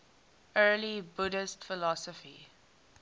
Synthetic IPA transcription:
ɜːlibʊdɪstfɪlɔsɔfḭ

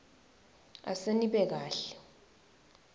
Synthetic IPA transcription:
a̰seniɓɛk̬aːɬɛ̥

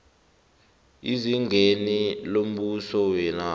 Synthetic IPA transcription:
iziŋenilom̩ɓusɔwɛna

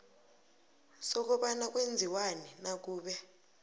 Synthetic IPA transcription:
sɔk̬ɔɓanak̬wend͡zʱiwanɛnak̬uːɓɛ

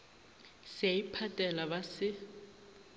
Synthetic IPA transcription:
seipʰatʼɛlabasɪ

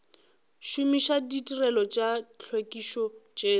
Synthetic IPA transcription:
ʃumiʃaditʼirɛlɔt͡ʃʼat͡ɬʰwekʼiʃɔt͡ʃʼeː

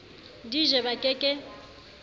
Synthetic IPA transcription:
diʒɛbakʼɛkʼɛ

